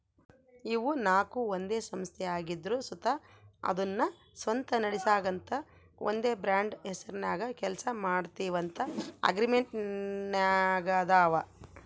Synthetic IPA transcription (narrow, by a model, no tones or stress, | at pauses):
iʋunaːkuond̪e̞ːsɐmst̪ʰɛaːɡid̪ɾusut̪aɐ̰d̪ɐnːɐ | sʋɐnt̪ɐnɐɽisaːɡɐnt̪ʰɐ | ʔo̰nd̪e̞ːbɾaːɳɖɛsɐɾinaːɡɐkɛlsɐmaːɖt̪iːʋɐnt̪ʰɐɐ̰ɡɾimeɳʈnaːɡɐd̪aːʋɐ